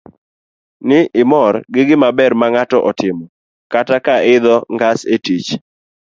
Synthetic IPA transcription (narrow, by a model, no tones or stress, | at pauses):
nɪʔɪmɔrɡɪɡɪmabɛrmaŋatɔʔɔtɪmɔ | katakaɪd̪ɔŋɡasetit͡ʃ